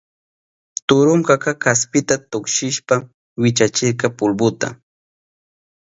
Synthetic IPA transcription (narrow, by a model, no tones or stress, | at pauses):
t̪ʊɾʊŋkakakaspɪt̪at̪ʊkʃɪʃpa | wɪt͡ʃat͡ʃɪɾkɑpʊlbʊt̪a̰